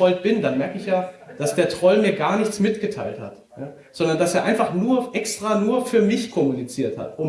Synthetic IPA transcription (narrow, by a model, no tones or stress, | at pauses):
ɔlt̚b̥ɪndanmɛɐkəɪçjaːd̥asd̥eːɐtʁ̥ɔlmiːɐɡaːɐnɪçt͡smɪtɡ̥ətʰaɪltha̰t | jaː | z̥ɔndɐndaseːɐʔaɪnfaχnuːɐʔɛkstʁ̥aːnuːɐfyːɐmɪçkʰɔmunit͡siːɐtha̰tʔʊm